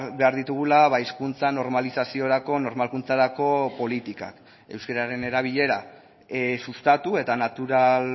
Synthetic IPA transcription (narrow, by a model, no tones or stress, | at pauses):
be̞aɾðit̪uɣ̞ulaβaiskunt͡sano̞ɾmalisasio̞ɾako̞no̞ɾmalkunt͡saɾako̞po̞lit̪ika̰k | e̞wskaɾaɾe̞ne̞ɾaβ̞iʎe̞ɾa | sust̪at̪ue̞t̪anat̪uɾal